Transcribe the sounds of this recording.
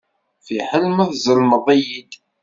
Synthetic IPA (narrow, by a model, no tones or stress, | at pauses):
θiħəlmæθzəlməðˤijid̪